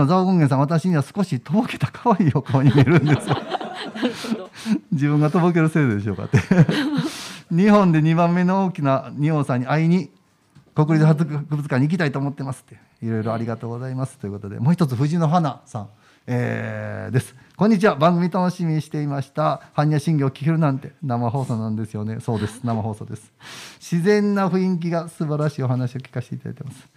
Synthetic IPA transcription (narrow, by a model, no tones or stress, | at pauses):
nozaoɡõŋɡẽsãat̪̬aɕiɲ̟iβasɨ̥ko̞ɕit̪o̞boke̞̥t̪ḁkʰḁβaiːo̞kaβaɲimʲeɾɯ̟̃nd̪esɨjo | d͡ʑibɯ̟̃ŋɡat̪o̞bok̬e̞ɾɯ̟se̞ːd̪od̪e̞ɕ̬o̞ːka̰t̪ːe | ɲ̟ihõ̞nd̪e̞ɲ̟ibãmːe̞nooːkʲinaɲ̟iõːsãɲ̟ːiaiɲ̟i | ko̞kɯ̟ɾʲit͡sɨhakɯbɯt͡sɨkãɲ̟ːik̬ʲi̥t̪ait̪oːmo̞t̪ːe̞masɨ̥t̪ːe̞ | iɾo̞jɾo̞aɾʲiɡat̪o̞ːɡo̞zaimasɨ̥t̪o̞jɯ̟ko̞t̪od̪e̞̰mo̞ːçit̪o̞t͡sɨɸɯ̟ʑĩno̞ɦanasãŋ̃ | eːd̪e̞sɨ̥koɲ̟ːit͡ɕiβabãŋɡɯmʲit̪ano̞ɕimʲiɲiɕi̥t̪e̞imaɕi̥t̪ahaɲ̟ʲːiaɕĩŋɡʲoːkʲi̥keɾɯ̟nãnt̪e̞namaɦo̞ːso̞ːnãnd̪e̞sɨjo̞ne̞so̞ːd̪e̞sɨ̥namaɦo̞ːso̞ːd̪e̞sɨ̥ɕizẽ̞nːaɸɯ̟ĩŋk̬ʲiɡasɨbaɾaɕiːo̞ɦanaɕio̞kʲi̥kaɕit̪eit̪ad̪̰it̪emasɨ̥